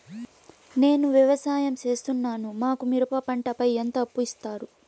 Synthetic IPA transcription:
ne̞ːnuʋjiʋɐsaːjɐmt͡ʃe̞ːst̪unːaːnumaːkumiɾupɐpɐɳʈɐpɐjent̪ɐːpːuist̪aːɾu

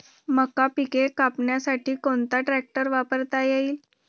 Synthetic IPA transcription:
məkːapikekapɳjasaʈʰiːkont̪aʈɾæk̚ʈəɾʋapəɾt̪ajeiːl

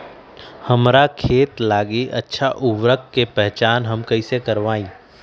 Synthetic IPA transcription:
hɐmɾakʰeːt̪laːɡiʔɐtːʃʰaʔʊʋɾəkːepɛɦt͡ʃaːnɦɐmkɐisekɐɾʋaːĩː

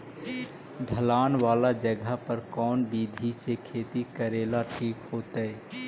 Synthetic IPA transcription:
ɖʱəlaːnwaːlad͡ʒəɡʱapəɾkɔːnbiːd̪ʱisekʰeːt̪ikəɾeːlaʈʰiːkɦoːt̪əɛ

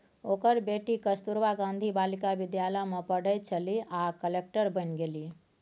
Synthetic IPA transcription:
oːkəɾbeːʈikəst̪uɾʋaɡãːnd̪ʱibaːlɪkabɪd̪jaːləmepəɽ̤əjt͡ʃəliakəlek̚ʈəɾbənɡeli

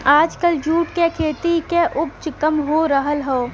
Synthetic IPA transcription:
aːd͡ʒkəld͡ʒuːʈkekʰeːt̪ikeʔʊpt͡ʃkɐmɦoɾəɦəlɦɛː

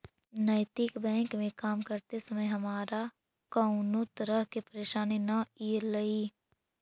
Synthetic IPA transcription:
nəːt̪ɪkbɛ̃ːŋkmẽkaːmkəɾt̪esəməjɦɐmaːɾa | kɐʊnot̪əɾəɦkepəɾeːʃaːninɐiːlɐiː

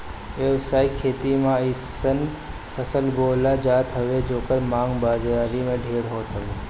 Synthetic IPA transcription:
ʋeʋsaikʰeːt̪imãissən | fʰəsəlbolad͡ʒat̪ɦəʋed͡ʒokəɾmãːŋɡbad͡ʒaɾimẽɖʱeɽɦot̪ʰɦəʋe

